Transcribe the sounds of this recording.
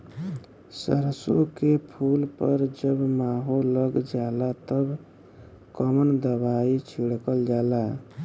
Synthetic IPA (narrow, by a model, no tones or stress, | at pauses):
sə̰ɾsokepʰulpəɾd͡ʒəbmaɦolːəɡd͡ʒalat̪əb | kəmənd̪əbait͡ʃʰiɽkəld͡ʒala